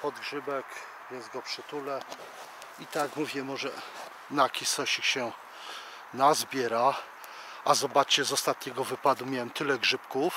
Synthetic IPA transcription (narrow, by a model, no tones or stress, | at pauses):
pɔd̪̚ɡʐɘbɛk | vʲjɛnzɡɔpʂɘt̪ulɛ | it̪akmuvʲjɛmɔʐɛ | nakʲisɔɕikɕɛ | nazbʲjɛɾa | azɔbat͡ʂt͡ɕɛzɔst̪at̪ɲɛɡɔvɘpad̪umʲjawɛmt̪ɘlɛɡʐɘpkuf